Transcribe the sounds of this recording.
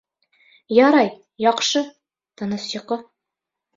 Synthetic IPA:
jɒɾɑj | jɒqʃɤ | t̪ɤ̆nɤsjŏqɤ

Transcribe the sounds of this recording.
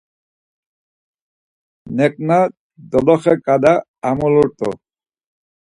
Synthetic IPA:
nɛk̚na | d̪ɔd̪ɔxɛkad̪a | amɔlɔɾt̪ɔ̰

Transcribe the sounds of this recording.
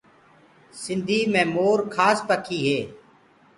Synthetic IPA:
sɪ̃nd̪ʱiːmɛ̃ːmoːɾkʰaːspəkʰiːɦeː

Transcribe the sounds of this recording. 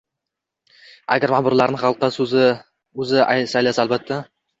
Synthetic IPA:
a̰ɡʲaɾmabʊɾlaɾnɪχɑlˠqːɑs | ɵzɪsajlasaːlbat̪ʰːa

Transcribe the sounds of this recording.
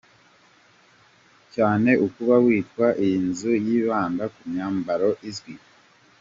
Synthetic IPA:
caːne̞ʔukuβawiːtkwaʔinzujiːβaːndakumɲaːmbaɾoʔizwi

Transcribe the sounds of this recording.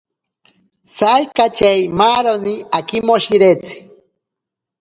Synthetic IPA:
sajkat͡ʃajmaːɾoniakɪmoʃiɾet͡si̥

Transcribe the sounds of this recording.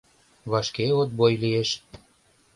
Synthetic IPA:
βɑʃkeot̪̚bojlieʃ

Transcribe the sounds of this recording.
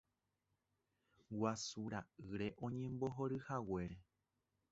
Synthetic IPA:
wasuɾaɨɾe̞ʔõ̞ɲẽ̞mboɦo̞ɾɨhawe̞ɾe

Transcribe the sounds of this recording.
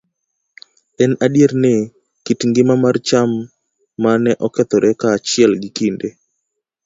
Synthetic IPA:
ɛnadjeɾnɪ | kitŋɡɪmamart͡ʃamː | anɛʔɔkɛt̪ɔɾʔɛkaːt͡ʃɪɛlɡɪkinde

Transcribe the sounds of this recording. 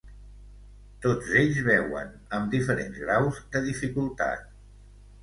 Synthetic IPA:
t̪od͡zeʎzβɛwə̰n | əmd̪ifəɾḛnzɣɾawzd̪əðifikulˠt̪a̰t̪̚

